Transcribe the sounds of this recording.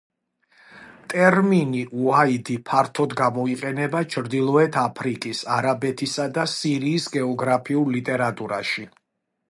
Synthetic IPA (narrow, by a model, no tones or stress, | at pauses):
t̪ʼɛɾminiʔuaid̪ipʰaɾt̪ʰɔd̪ɡamɔiqʼɛnɛbat͡ʃʰɾd̪ilˠɔɛt̪ʰapʰɾikʼisaɾabɛt̪ʰisad̪asiɾiːsɡɛɔɡɾapʰiullit̪ʼɛɾat̪ʼuɾa̰ʃi